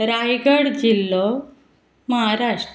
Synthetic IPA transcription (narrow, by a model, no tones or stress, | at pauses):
ɾajɡəɽd͡ʑilːɔ | məɦaɾaʂʈ